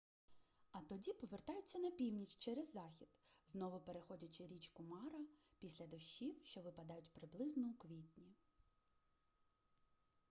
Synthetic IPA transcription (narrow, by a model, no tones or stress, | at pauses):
ɐt̪ɔdʲipɔʋert̪ɑjʊt͡sʲːɐnɐpʲiwnʲit͡ʃt͡ʃɛɾezːɑxʲid̪̥znɔʋʊpeɾexɔdʲɐt͡ʃɪɾʲit͡ʃkʊmɑɾɐpʲisʲlʲɐd̪ɔʃːiwʃt͡ʃɔʋɪpɐd̪ɑjʊtʲpɾɪblˠɪznɔukʋʲitʲnʲi